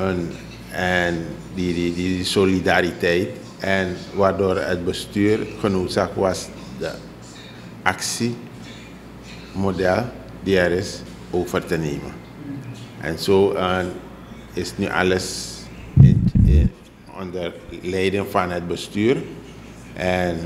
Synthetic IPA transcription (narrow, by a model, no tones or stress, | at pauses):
ən | ɛn | didisolidaːɾitɛjt | ɛnʋaːrdoːrə̰t̚bəstyːrxənoːtsaːkʋas | də̰ | ʔaksi | modɛl | diɛɾɪs | ʔoːfərtəneːmə̰n | ʔɛ̰nsoːən | ɪsnyʔɑ̰ləs | ɔ̰ndərlɛjdənfɑnɦət̚bəstyːr | ʔɛn